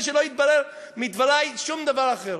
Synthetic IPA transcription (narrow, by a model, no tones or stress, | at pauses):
ʃ̬eloit̪̚balɛl | mit̪valajʃumd̪avaɾaχɛɾ